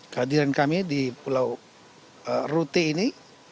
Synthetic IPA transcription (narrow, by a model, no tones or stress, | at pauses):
kəadiɾankamidipulaw | ərut̪iːni